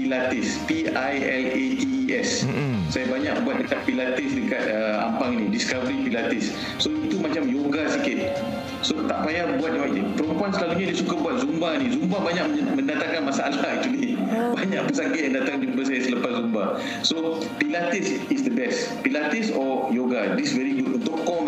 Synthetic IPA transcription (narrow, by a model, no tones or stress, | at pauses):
pilat̪ɪs | pi | ajɛl | et̪iɛssajabaɲa̰ʔbuat̪̚dəkat̪̚pilat̪ɪsdəkat̪əa̰mpaŋnĩdiskavəɾipilat̪ɪsː | oit̪umat͡ʃamjoɡasikɪt̪̚ | sot̪aʔpajabuat̪̚doad͡ʒipəɾɔmpuansəlaluɲadiəsukabuat̪̚zumbanĩzumbabaɲaʔmə̃ndat̪aŋkanmasa̰laɦak̚t̪ulibaɲaʔpəsaɡiandat̪aŋd͡ʒumbas̬ajasəlapaszumba | so | pilat̪isisd̪əbɛs | pilat̪isɔjoɡadisvɛɾiɡut̚unt̪ʊʔkɔm